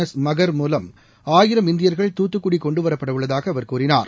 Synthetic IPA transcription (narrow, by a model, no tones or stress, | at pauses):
ɐsmɐɣɐɾmuːlɐm | aːjɪɾɐmɪnd̪ɪjɐɾɣɐɭt̪uːt̪ːɯkːʊɽikːɔɳɖɯʋɐɾɐpːɐɽɐʋɯɭːɐðaːɣɐːʋɐɾkuːɾɪnaːɾ